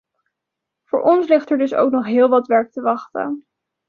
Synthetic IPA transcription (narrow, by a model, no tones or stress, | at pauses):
v̥ʊːɹʔɔnslɪχtɛɹdɵso̰wknɔχɦɪːlˠʋɑtʋɛɹk̚təʋɑχtə̰n